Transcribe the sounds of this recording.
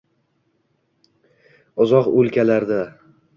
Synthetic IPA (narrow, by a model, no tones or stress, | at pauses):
ʊzɒqɵlkʲalaɾd̪a